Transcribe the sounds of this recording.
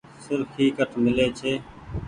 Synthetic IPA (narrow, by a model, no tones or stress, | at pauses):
sɪɾkɦiːkəʈʰmɪleːt͡ʃʰeː